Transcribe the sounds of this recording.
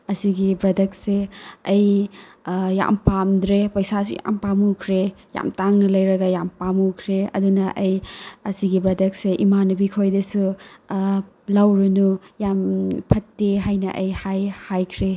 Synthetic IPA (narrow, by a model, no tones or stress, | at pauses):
ɐsiɡibɾɐdɐkseɐj | ja̰mpamdɾepɐjsasṵja̰mpamukʰɾeja̰mtaŋnɐlɐjɾɐɡɐjampamukʰɾeɐ̰dunɐʔɐjɐsiɡibɾɐdɐk̚seʔimanɐbikʰojdɐsu | lawɾunujampʰɐtːeɦajnɐ̰ʔɐjhajhajkʰɾe